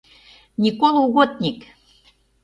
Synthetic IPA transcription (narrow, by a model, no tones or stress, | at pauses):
nʲikoluɣot̪̚nʲik